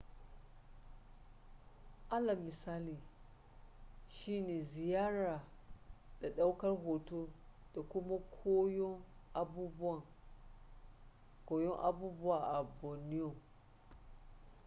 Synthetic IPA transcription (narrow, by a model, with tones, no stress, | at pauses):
ʔa˦la˨mi˨sa˦li˨ | ʃi˦ne˨zi˨ja˦ɾa˨ | d̥a˨ɗa˦wka˦ɾɦo˨to˦d̥a˨ku˦ma˦kʰo˦jo˦ŋa˨bu˦bu˦a˨ | ko˨jo˦ʔa̰˨bu˦bu˦a˨ʔa˨bo˨ni˦jo˨